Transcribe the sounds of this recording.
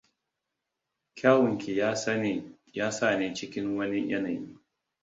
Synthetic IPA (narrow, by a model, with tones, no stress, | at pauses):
kʲʰaː˦wʊ˨ŋkʲi˨j | jaː˦saː˦˨neː˦t͡ʃɪ˦kʲɪ˦ŋwɐ˦ni˦jɐ̰˦na˨jiː˦